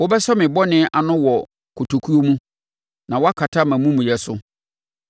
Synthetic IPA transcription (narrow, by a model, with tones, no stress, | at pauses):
wo˦bɛ˦sɔ˦mɪ̃˨bɔ˦nɪ̃˦ʔa˨nʊ̃˦wɔ˨ | kʰo˨tʰo˨kʰu˦o˦mũ˦ | nã˨wɔ˦a˦kʰa˨tʰa˦˨mã˨mũ˦mũ˨jɛ˨sʊ˦